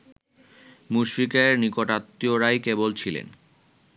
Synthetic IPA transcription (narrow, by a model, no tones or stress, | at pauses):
muʃfikeɾnikoʈat̪ːioɾajkebolt͡ɕʰilḛn